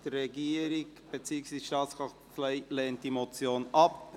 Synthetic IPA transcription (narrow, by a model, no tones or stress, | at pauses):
d̥əɾːɛɡiːəɾɪkb̥et͡syːksʋiːsʃtɑːskʁɑχtflɛɪlɛːnt̚d̥imot͡sjoːnɑp